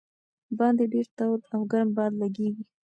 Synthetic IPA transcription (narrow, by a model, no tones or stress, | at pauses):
bɑnd̪eɖeɾt̪awd̪awɡaɾmbɑd̪laɡeɡi